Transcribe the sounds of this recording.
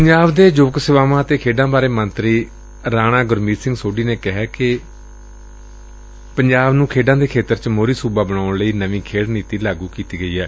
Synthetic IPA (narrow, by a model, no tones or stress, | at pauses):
pəɲd͡ʒaːʋd̪eːd͡ʒoːksɪʋaːʋãːt̪eːkʰeːɖãːbaːɾeːmənt̪ɾiː | ɾaːɽ̃ãːɡʊɾmiːsɪ̃ŋɡsoːɖiːneːkɪɦɛːkɪ | pəɲd͡ʒaːbnũːkʰeːɖãːd̪eːkʰeːt̪əɾt͡ʃmoːɾiːsuːbaːbəɳ̃aːɳləiːnəʋĩːkʰeːɽniːt̪iːlaːɡuːkiːt̪iːɡəiːɛ̰ː